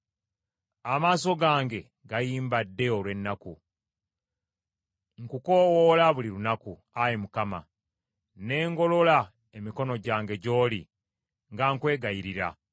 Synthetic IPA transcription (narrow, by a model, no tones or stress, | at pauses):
amaːso̞ɡaːŋɡe̞ | ɡajiːmbadːe̞o̞lwe̞nːaku | ŋkuko̞wolaβuliɾunaku | ajemukama | ne̞ːŋɡo̞lo̞la | emiko̞no̞ɟaːŋɡe̞ɟo̞ːli | ŋɡaŋkwe̞ːɡajiɾiɾa̰